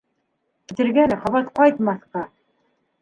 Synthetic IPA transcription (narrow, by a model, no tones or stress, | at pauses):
t̪ɘ̆ɾɡænχɑβɑt̪qɑjt̪mɑθqɑ